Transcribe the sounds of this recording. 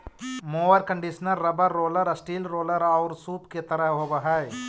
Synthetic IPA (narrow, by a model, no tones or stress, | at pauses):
moːʋəɾkə̃ɳɖiʃnəɾːɐbəɾːoːləɾəsʈiːlɾoːləɾɔʊɾsuːpket̪ɐɾəɦɦoːbəɦaj